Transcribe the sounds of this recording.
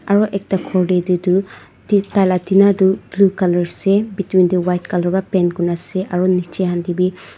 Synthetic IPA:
aɾɔʔek̚takʰɔɾdedudu | titalatinadublukalɔɾsebitwinduwajt̚kalɔbapenɡunaseʔaɾɔnit͡ʃeɦandibi

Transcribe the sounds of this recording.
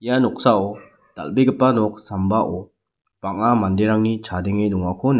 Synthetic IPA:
ijanɔk̚saɔ | d̥a̰lbiɡɯpanɔk̚sambaʔɔ | paŋamandeɾaŋnit͡ʃʰadeŋedɔŋakʰɔn

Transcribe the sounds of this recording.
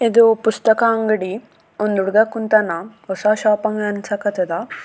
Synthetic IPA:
id̪upust̪ɐkaɐŋɡɐɽi | ond̪uɽɡɐkunt̪ɐnɐosaʃaːpɐŋɡɐnsɐkɐt̪ɐd̪a

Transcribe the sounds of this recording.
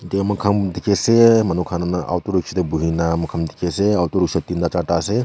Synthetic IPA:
d͡ʒemɐkʰɐmd̪ikesemɐnukʰanɐnʔa̰wt̪uɾukʃʰɐt̪ebuɦinamɐkʰɐmd̪i̥keseawt̪uɾukʃʰɐt̪ːind̪at͡ʃaʈase

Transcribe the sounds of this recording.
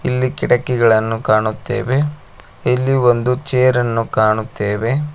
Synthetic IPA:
ilːikiɽɐkːɛɡɐɭɐnːukaːɳut̪ːḛːʋe̞ | ilːio̞nd̪ut͡ʃeːɾɐnːukaːɳut̪ːeːʋe̞

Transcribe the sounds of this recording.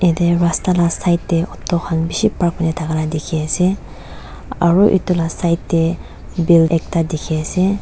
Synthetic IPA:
ɛd̪ɛɹast̪alasajt̪ːɛɔt̪ːɔkʰanbiʃipak̚manɛt̪ʰaɡalad̪ekʰiasɛ | aɹuʔḭt̪ːɔlasajt̪ːɛ | belɛk̚tad̪ekʰiase

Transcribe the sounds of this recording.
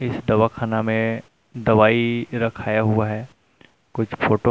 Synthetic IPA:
ɪsd̪ɐʋakʰaːnamẽ | d̪ɐʋaːiɾɐkʰaːjaɦʊaɦɛː | kʊt͡ʃʰpʰoːʈo

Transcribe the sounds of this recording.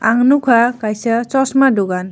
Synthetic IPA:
aŋnukʰakajsat͡sɔsmadoɡan

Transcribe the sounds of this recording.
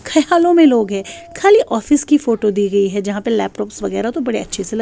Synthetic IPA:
kʰɐjaːlõmẽloːɡɦɛ̃ːkʰaːliʔɔːfɪskifoːʈod̪iːɡɐiɦɛd͡ʒɐɦãpɐlɛːp̚ʈɔːpsʋɐɣɛːɾat̪obɐɽeɐtːʃʰeselɐ

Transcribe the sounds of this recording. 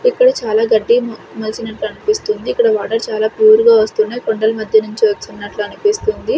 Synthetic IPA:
ikːɐɽɐt͡ʃaːlaːɡɐɖːimɐlsinɐʈluɐnupist̪und̪iːkːɐɽɐʋaːʈɐɾt͡ʃaːlaːpuːɾuɡaːʋɐst̪unːɐjkoɳɖɐlɐmɐd̪ʱjɐnuɲt͡ʃiʋɐt͡ʃːunːɐʈluɐnupist̪und̪i

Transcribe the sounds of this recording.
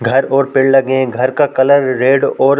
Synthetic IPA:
ɡʱɐɾɔːɾpɪɽlɐɡẽɡʱɐɾkakɐləɾːeːɖɔːɾ

